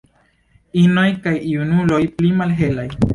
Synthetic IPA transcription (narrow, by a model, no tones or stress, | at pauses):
inojkajiunulojplimalɦelaj